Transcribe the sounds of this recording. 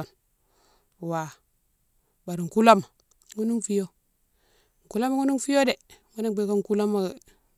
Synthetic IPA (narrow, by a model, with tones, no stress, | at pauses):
o˨n˨ | wa˨ | ba˨ɾi˨ŋ˨ku˦la˦ma˨ | ŋu˦nu˦ŋfi˦jo˦˨ | ŋ̩˨ku˦la˦ma˦ŋu˦nu˦ŋfi˦jo˦de˨ŋa˦ne˦ŋ˦be˦ka˦ŋ˦ku˦la˦ma˨